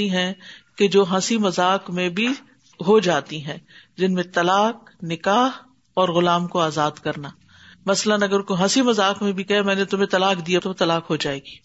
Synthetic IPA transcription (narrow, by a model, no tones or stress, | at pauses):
iɦɛ̃ked͡ʒoːɦɐ̃simɐzaːkmẽbʱi | ɦod͡ʒaːt̪iɦɛ̃ːd͡ʒɪnmẽt̪ɐlaːk̚ | nɪkaːɦ | ɔːɾɣʊlaːmkoaːzaːd̪kɐɾnaː | mɐslənɐɡəɾkoɦɐ̃simɐzaːkmẽbʱikɛɦemɛ̃ːnet̪ʊmẽt̪ɐlaːkd̪ijat̪ot̪ɐlaːkɦod͡ʒaːeːɡiː